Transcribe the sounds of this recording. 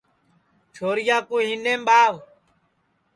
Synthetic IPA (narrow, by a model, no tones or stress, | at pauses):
t͡ʃʰoːɾɪjaːkũːɦinẽːmɓaːʋ